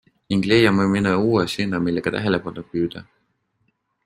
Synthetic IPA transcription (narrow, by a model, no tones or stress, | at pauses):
iŋɡ̥lejɑmominɑuːwesinːɑmilːeɡ̥ɑt̪æ̰ɦelepɑnopyːd̪̥ɑ